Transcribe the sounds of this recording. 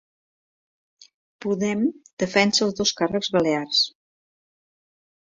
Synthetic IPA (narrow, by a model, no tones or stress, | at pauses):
puðɛmd̪̥əfɛnsəlˠzðoskarəɡzβəlears